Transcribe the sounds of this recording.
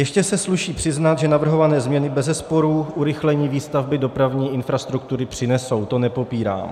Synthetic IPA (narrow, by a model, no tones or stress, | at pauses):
jɛʃcɛsɛsluʃiːpr̥ɪznat̪ʒɛnavr̩ɦo̞vanɛːzmɲɛnɪbɛzɛspo̞ɾuʔuɾɪxlɛɲiːviːst̪avbɪdo̞pɾavɲiːʔɪnfɾast̪ɾuk̚t̪uɾɪpr̥ɪnɛso̞wt̪o̞nɛpo̞piːɾa̰ːm